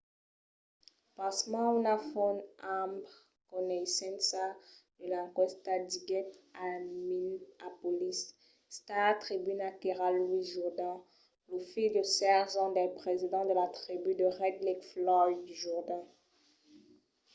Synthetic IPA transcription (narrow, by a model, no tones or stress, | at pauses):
pãsmãunafɔnamb | kɔnɛisɛ̃nsad̪əlakɔst̪ad̪iɡɛtaminapɔlisː | t̪at̪χibynakeʁalːwiʒuʁd̪ã | lofid̪əsɛʁʒɑ̃d̪ɛpχezid̪ɑ̃d̪əlat̪χibyd̪əʁɛd̪likflɔddyʒuʁd̪ã